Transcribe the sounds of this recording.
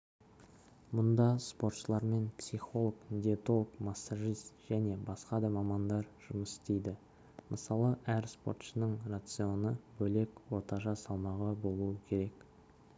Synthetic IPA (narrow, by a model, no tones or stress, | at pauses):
mʊnd̪ɑspo̞rt̪ʃəlˠɑɾme̞npsijχo̞lˠəknd̪iet̪o̞lˠəkmasːaʒijst̪ʒ̥æne̞bɑsqɑd̪ɑmɑmɑnd̪ɑɾʒ̥ʊməsɪ̥st̪e̞jd̪ɪ | mʔəsɑlˠəʔæɾsport̪ʃənəɴrat̪sɨjo̞nəbɵle̞kwo̞t̪ɑʒɑsɑlˠmɑʁəbo̞lˠuəkʲʰe̞ɾe̞k